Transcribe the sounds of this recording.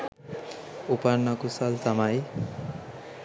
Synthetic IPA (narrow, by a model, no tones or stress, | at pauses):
upaɾnakusalt̪amaj